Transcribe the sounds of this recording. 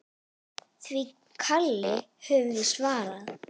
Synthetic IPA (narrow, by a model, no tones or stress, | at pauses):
θvi | kʰalːɪhœvðʏsvaːɾað